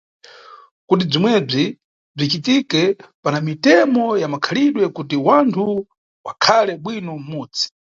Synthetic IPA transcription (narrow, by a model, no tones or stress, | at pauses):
kut̬ib͡ʐimwɛb͡ʐi | b͡ʐit͡ʃitikɛpanamitɛmɔjamakʰaliɗwɛkutiwantʰu | wakʰalɛɓwinɔm̩muːt͡si̥